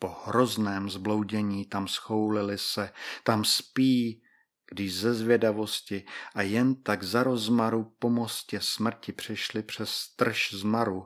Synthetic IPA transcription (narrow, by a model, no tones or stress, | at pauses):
po̞hɾo̞znɛːmzblo̞wɟɛɲiːt̪amsxo̞wlɪlɪsɛt̪amspiː | ɡ̥dɪʃzɛzvjɛdavo̞scɪʔajɛnt̪aɡzaɾo̞zmaɾupo̞mo̞scɛsmr̩cɪpr̝̥ɪʃlɪpr̝̥ɛst̪r̩ʃzmaɾu